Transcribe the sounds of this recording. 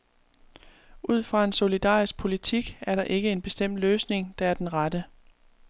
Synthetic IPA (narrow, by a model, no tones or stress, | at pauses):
ʔuð̞̰ˠfʁɑ̈e̝nso̝lid̥ɑ̰̈ːisɡ̥̚pʰo̝lit͡sʰiɡ̥æɐɾɑ̈ʔe̝ɡ̥əe̝nb̥e̝sd̥em̰d̥løːsne̝ŋd̥ɑ̈æɐd̥enʁɑdə